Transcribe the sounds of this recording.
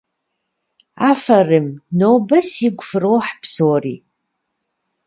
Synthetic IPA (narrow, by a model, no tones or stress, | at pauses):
aːfɐrɨmnowbɐsiɡʷfɨrowħpʰsoːriː